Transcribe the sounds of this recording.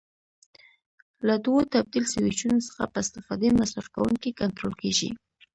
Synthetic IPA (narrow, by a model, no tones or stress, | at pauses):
lad̪wot̪ab̚d̪ilsawit͡ʃunosə̥xa̰pəɪst̪ɪfɑd̪emasɾafka̰wṵŋkikant̪ɾolkeʒḭ